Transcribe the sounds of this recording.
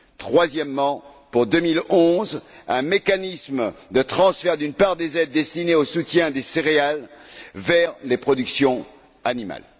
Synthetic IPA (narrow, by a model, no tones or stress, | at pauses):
t̪χwazjɛmːɑ̃ | puʁd̪əmilɔ̃zɛ̃mekanismd̪ət̪χɑ̃sfɛʁd̪ynpaʁd̪ezɛd̪̚ːɛst̪ineosut̪jɛ̃d̪eseʁealvɛʁlepχɔd̪yksjɔ̃ | anima̰l